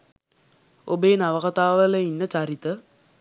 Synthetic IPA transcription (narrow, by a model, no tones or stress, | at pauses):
obeːnaʋəkat̪aːʋələinːət͡ɕaɾit̪ə